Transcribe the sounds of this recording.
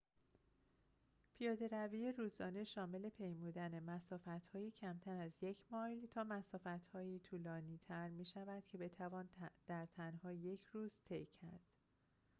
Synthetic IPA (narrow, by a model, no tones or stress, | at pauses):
pʰijɒːd̪e̞ɾæviːjeɾuːzɒːne̞ʃɒːme̞le̞pʰe̞jmuːd̪æne̞mæsɒːfæt̪hɒːjiːcʰæmt̪ʰæɾæzje̞cʰmɒːjlt̪ʰɒːmæsɒːfæt̪hɒːjiːt̪ʰuːlɒːniːt̪ʰæɾmiːʃævæd̪̥̚cʰe̞be̞t̪ʰævɒːnd̪̥æɾt̪ʰænhɒːje̞cʰɾuːz̥t̪ʰe̞jcʰæɾd̪̥